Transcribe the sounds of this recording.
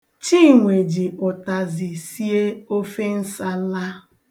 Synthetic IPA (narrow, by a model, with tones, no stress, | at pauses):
t͡ʃiː˦˨ŋʷe˨d͡ʒi˨ʊ˨ta˨zi˨si˦e˦o˦fe˦n̩˦sa˦la˦